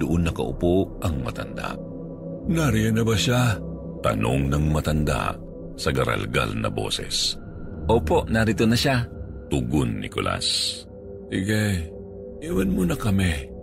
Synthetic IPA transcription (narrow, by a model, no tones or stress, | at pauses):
d̪ʊʔonːɐkɐʔʊ̰poʔɐŋmɐt̪ɐnd̪a̰ʔ | naɾijɐnɐbɐʃa | t̪ɐnoŋnɐŋmɐt̪ɐnd̪a̰ʔ | sɐɡɐɾa̰lɡa̰lnɐ̰bo̰ːsɛs | ʔoːpo̞ʔnaɾɪt̪onɐʃat̪uɡʊnːɪkolʔa̰s | ɪɡaj | iwanmonɐkɐmɛ